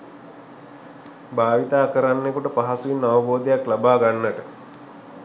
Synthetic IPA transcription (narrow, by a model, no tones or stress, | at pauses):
baːʋit̪aːkəɾanːekuʈəpaɦasuinːaʋəboːd̪ejaklabaːɡanːəʈə